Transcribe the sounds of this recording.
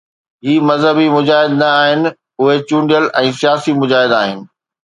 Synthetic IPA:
ɦiːmɐzɦəbimʊd͡ʑaːɦɪd̪nɐaːɦɪnɪ̆ | ʊɦet͡ɕũːɳɖijəlɛ̃ːsijaːsimʊd͡ʑaːɦɪd̪aːɦɪnɪ̆

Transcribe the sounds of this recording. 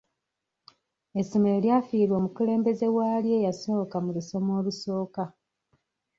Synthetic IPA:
esomeljaːfiːɾwo̞ːmukule̞ːmbe̞ze̞waːlje̞ːjaso̞ːkamuluso̞mo̞ːluso̞ːka

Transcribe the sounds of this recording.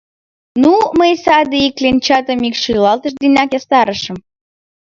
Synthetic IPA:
numəjsɑd̪eiklʲenʲt͡ɕɑt̪əmikʃilɑlt̪əʃd̪inʲɑkjɑst̪ɑɾəʃə̆m

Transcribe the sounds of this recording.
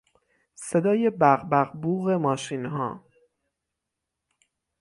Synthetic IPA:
se̞d̪ɒːje̞bæɣbæɣbuːɣe̞mɒːʃiːnɦɒ̰ː

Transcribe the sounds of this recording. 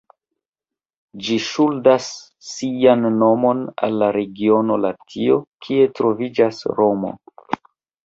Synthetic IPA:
d͡ʒiʃuldasː | ijanːo̞mo̞na̰lːaɾe̞ɡio̞no̞latʰio̞kʰie̞tɾo̞vid͡ʒasɾo̞mo̞̰

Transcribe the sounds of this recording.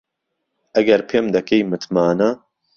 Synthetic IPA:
ʔɐɡɐɾpʰeːmd̪ɐkejmɨt̪ʰmaːnɐ

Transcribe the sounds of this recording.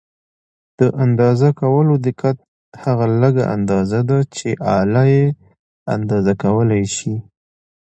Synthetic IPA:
d̪̥əʔand̪ɑzakawəlod̪ɪqat̪̚ | haɣaləɡa̰ʔa̰nd̪ɑzad̪at͡ʃeʔɑlaje | a̰nd̪ɑzakawəlajʃi

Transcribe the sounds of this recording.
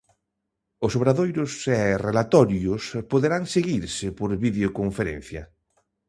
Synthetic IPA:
ʊsoβɾaðojɾʊsɛrelat̪ɔɾjʊspoðeɾaŋseɣiɾsɪpoɾβiðeokoɱfeɾɛ̰̃nθjɐ̰

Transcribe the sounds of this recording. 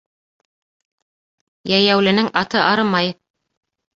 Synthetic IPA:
jæjæwlɘ̆nɘŋʔɑt̪ɤʔɑɾɤmɑj

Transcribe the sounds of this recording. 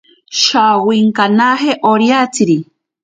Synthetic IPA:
ʃawiŋkanaɦeʔoɾjat͡siɾi

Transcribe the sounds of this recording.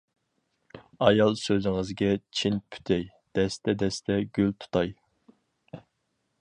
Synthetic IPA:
ɑjɑlˠsøzɪŋɨzɡʲɛt͡ʃʰinpʰy̥t̪ʰɛj | d̪̥ɛst̪ʰɛd̪ɛst̪ʰɛɡʲylt̪ʰu̥t̪ʰɑj

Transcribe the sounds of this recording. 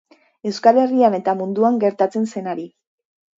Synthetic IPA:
e̞wskale̞riane̞t̪amund̪uaŋɡe̞ɾt̪at͡se̞nse̞naɾi

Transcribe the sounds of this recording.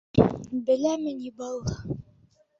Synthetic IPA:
bɘ̆læmɘnibɑlˠːɑ

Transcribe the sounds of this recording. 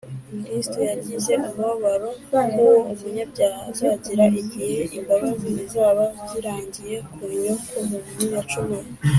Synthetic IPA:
miɾistojaɾɟize̞ʔumβaβaɾo̞kowoumuɲabɟaːhazaɟiɾaʔiɟiheʔimbaβaziizaːβabɟiɾaːɲɟije̞kʰuɲokʰomuβunujat͡ʃume

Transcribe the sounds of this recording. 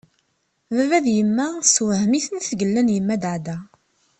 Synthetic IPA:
vævæðjəmːæswəɦmiθənθɡəlːænjəmːæd̪ʕd̪æ

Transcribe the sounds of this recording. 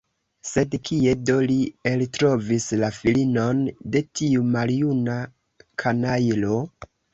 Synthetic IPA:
se̞dkʰie̞do̞lieltɾo̞vislafilino̞nde̞tiumaljuna | kʰanajlo̞

